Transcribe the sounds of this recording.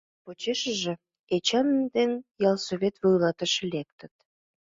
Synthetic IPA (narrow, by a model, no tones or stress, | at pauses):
pot͡ɕeʃə̆ʒĕ | et͡ɕænd̪enjɑlˠsoβʲet̪βojlɑt̪əʃĕlek̚t̪ə̆t̪